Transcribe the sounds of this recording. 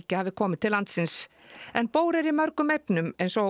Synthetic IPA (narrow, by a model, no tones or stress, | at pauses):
cɪavɪkʰɔːmɪt̪ʰɪlant̪sɪns | ɛnpoːwɾɛɾimœɾkʏmejpnʏmɛejnsɔ